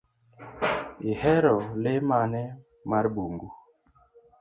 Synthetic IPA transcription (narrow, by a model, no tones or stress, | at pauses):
ihɛɾɔlemanɛ | maɾbuŋɡu